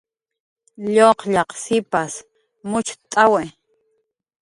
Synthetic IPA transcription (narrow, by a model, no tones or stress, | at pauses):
ʎoqʎɑqsɪpas | mʊt͡ʃt̪ʼawe